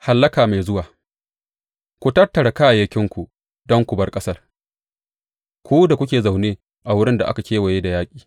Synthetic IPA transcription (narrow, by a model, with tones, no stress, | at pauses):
ha˨lːɐ˦kaː˨ma˨jzʊ˦waː˨ | kʷu˨tɐ˦tːɐ˨ɽa˨kaː˦˨jɐ˦kʲɪ˦ŋkʷu˨ | dɔ˦ŋkʷu˨bɐ˦rkʼɐ˦sɐ˦r | kʷuː˦da˨kʷʊ˦k̬ʲeː˨za˨wneː˦ | ʔa˨wʊ˦ɽɪ˦nda˨ʔa̰˦ka˨kʲeː˦wa˨jeː˦da˨jaː˦kʲʼiː˨